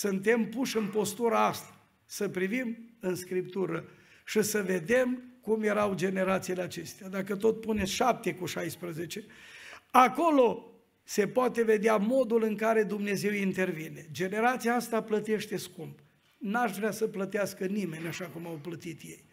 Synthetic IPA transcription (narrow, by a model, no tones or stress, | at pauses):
sɨnt̪e̞mpuʃɨnpo̞st̪uɾaast̪ḁ | səpɾivimɨnskɾipt̪uɾə | ʃisəve̞d̪e̞mkumje̞ɾawd͡ʒe̞ne̞ɾat̪sileat͡ʃe̞st̪ead̪akət̪o̞t̪puneʃap̚t̪e̞kuʃajspɾəze̞t͡ʃe̞ | ako̞lo̞ | se̞poat̪e̞ve̞d̪eamo̞d̪ulɨŋkaɾe̞d̪umne̞ze̞wint̪e̞rvine̞d͡ʒe̞ne̞ɾat̪siaast̪aplət̪e̞ʃt̪e̞skump | naʃvɾeasəplət̪easkənime̞nʲaʃakumawplət̪it̪je̞j